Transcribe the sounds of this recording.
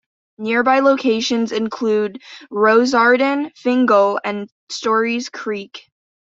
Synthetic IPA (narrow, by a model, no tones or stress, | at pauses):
nɪɹbaɪloʊkʰeɪʃɨ̃nzɨ̃nkʰl̥ʉd̚ɹoʊzɑɹdn̩fɪ̃ŋɡl̩ˠɨ̃n | stɔɹiz̥kʰɹ̥ik